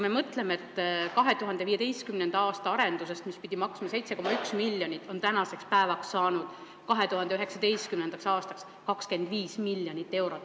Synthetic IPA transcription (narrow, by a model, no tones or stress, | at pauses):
kume̞mɤt̪le̞meet̪ˑːkɑɦe̞t̪uɦɑnd̪eiːed̪ejst̪kymnend̪ɑɑːst̪ɑɑɾe̞nd̪us̬e̞st̪mispid̪̥ʲimɑksmɑse̞jt̪se̞ko̞mɑyksmilːjonit̪ːˑo̞nt̪ænɑse̞kspæevɑksːɑːnud̪̥ | kɑɦe̞t̪uɦɑnd̪e̞yɦe̞ksɑd̪e̞jst̪̚kymnend̪ɑksɑːst̪ɑks | kɑkske̞nd̪viːsmilːjonit̪ːe̞wɾo̞t̪ːˑ